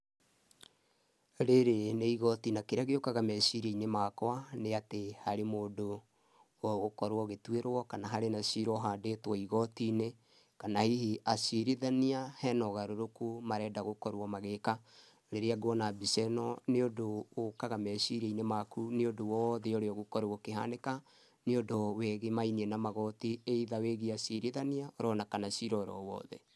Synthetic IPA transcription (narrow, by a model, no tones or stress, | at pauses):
ɾeɾeneiɣɔtinakeɾeaɣeokaɣamɛɕiɾeinemakwaneatehaɾemoːdo | ɣokɔɾwɔɣetweɾwɔkanaɦaɾenasiɾɔɦadetwɔiɣɔtine | kanahihiʔasiɾeðaniahɛnɔɣaɾoɾokumaɾɛːdaɣokɔɾwɔmaɣeka | ɾeɾeaɡwɔnabisɛnɔneodoːkaɣamɛsiɾɛinemakuneodowɔðɛoɾeɔɣokɔɾookeɦa̰neka | neodowɛɣemainiɛnamaɣɔtieiðaweɣiasiɾiðaniaoɾɔnakanasiɾɔɾɔ̰wɔ̰ːðɛ̰